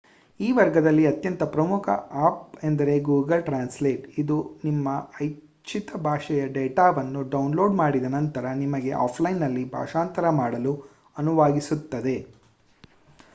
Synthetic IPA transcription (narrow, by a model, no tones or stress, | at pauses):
iːʋɐɾɡɐd̪ɐlːiɐt̪jɐnt̪ɐpɾɐmukʰɐ̰aːp̚end̪ɐɾe̞ɡuːɡɐlʈɾaːnsleːʈid̪unimːɐɐj | t͡ʃʰit̪ɐbʱaːʂɛjɐɖeːʈaːʋɐnːuɖɐwnlo̞ːɖmaːɽid̪ɐnɐnt̪ɐɾɐnimɐɡe̞ʔa̰ːpʰlɐjnːɐlːibʱa̰ːʂaːnt̪ɐɾɐmaːɽɐlu | ɐnuʋaːɡisut̪ːɐd̪e̞